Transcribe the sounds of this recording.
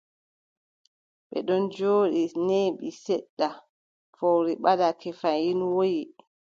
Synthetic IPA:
ɓɛ̰ɗɔnd͡ʒoːɗineɓisɛɗːa | fɔɾiɓadakɛfanjinwoji

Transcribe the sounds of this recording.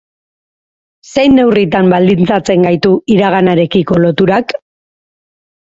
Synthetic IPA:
se̞jnːe̞writ̪ambald̪int͡sat͡se̞ŋɡajt̪uiɾaɣ̞anaɾe̞kiko̞lo̞t̪uɾak

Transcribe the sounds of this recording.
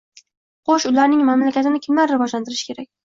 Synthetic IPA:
qʰoʃʊlaɾnɪŋmamlakʲat̪ɪnɪkʲʰɪmlaɾːɪvɒd͡ʒlant̪ɪɾɪʃkʲʰe̞ɾak̚ʲ

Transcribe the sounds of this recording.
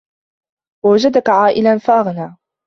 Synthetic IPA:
wawad͡ʒad̪akaʕaːʔɪlanfaʔaɣnaː

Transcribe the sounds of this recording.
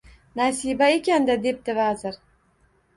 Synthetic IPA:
nasibaekʲʰand̪ad̪e̞p̚t̪ɪvazɪɾ

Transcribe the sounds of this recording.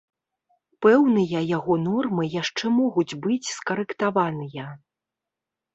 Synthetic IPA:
pɛwnɨjɐjaɣɔnɔrmɨjaʂt͡ʂɛmɔɣud͡zʲbɨt͡sʲskɐɾɛkt̪avanɨjɐ

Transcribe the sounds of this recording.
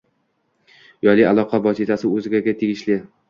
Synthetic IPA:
jɒlɪalˠɒqʰɑvɒsɪt̪ʰasɪɵzɪɡʲaɡʲat̪ʰeɡʲɪʃlɪ

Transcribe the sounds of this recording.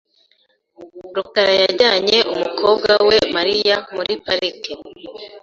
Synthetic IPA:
ɾukaɾajaɾɟaːɲe̞ʔumukʰoːb̚ɡawe̞maɾijamuɾipaɾike

